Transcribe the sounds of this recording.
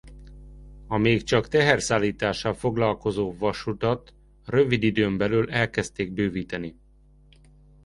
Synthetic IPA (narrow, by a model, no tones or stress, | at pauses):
ɒmeːkt͡ʃɒkt̪ɛɦɛrsaːlːiːt̪aːʃːɒlfo̞ɡlɒlko̞zoːvɒʃut̪ɒt̪ | røvid̪id̪øːmbɛlyːlɛlkɛst̪eːɡ̚bøːviːt̪ɛni